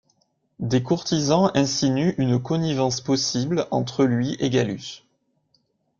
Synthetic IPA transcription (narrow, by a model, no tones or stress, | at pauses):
d̪ekuʁt̪izɑ̃ɛ̃sinyʔynkɔnivɑ̃spɔsiblɑ̰̃t̪χəlɥiʔeɡaly̰s